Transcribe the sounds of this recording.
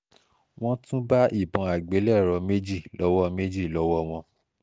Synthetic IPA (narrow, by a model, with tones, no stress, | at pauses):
w̃ɔ̃˦tũ˦ba˦ʔi˦˨bɔ̃˨a˨ɡ͡be˨˦lɛ˦˨ɾɔ˧˦me˦d͡ʒi˦˨lɔ˨˦wɔ˦me˦d͡ʒi˦˨lɔ˧˦wɔ˦w̃ɔ̃˧